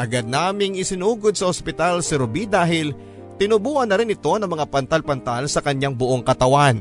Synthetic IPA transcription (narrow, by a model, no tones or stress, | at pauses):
ʔɐɡad̪̚naːmɪŋɪsɪnuːɡod̪̚sɐhospɪt̪alsɪɾʊbid̪aːɦɪl | t̪ɪnʊbuːhɐnːɐɾɪnɪt̪o̞nɐŋmɐŋapɐnt̪alpɐnt̪alsɐkɐɲːaŋbʊʔo̞ŋkɐt̪ɐwan